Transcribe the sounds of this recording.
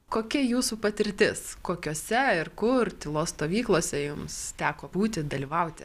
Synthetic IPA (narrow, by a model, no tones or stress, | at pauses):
koːkʲɛjuːsuːpɐt̪ʲɪɾʲt̪ʲɪskoːkʲoːsʲɛɪɾkʊrt̪ʲɪlˠoːsst̪oːʋʲiːklˠoːsʲɛjʊmst̪ʲæːkoːbuːt̪ʲɪd̪ɐlʲiːʋɐʊt̪ʲɪ